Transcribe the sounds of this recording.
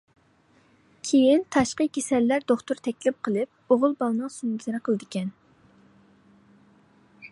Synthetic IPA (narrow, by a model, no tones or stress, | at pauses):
kʲʰejint̪ʰɑʃqəkʲesɛlːæɾd̪oχt̪ʊɾt̪ʰɛkʲlɪp̚qʰəlˠɨp̚oʁʊlˠbɑlˠnɨŋsumzɨnɨqʰəlˠɨd̪ɪkʲɛn